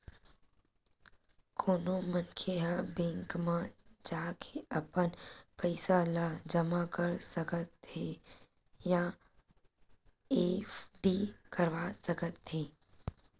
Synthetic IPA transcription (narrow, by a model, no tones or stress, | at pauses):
kʰoːnomənkʰeɦãbẽːŋkmãd͡ʒaːkʰeəpənpəɪsalad͡ʒəmakəɾsəkət̪e | jã | efɖiːkəɾʋaːsəkət̪ʰːeː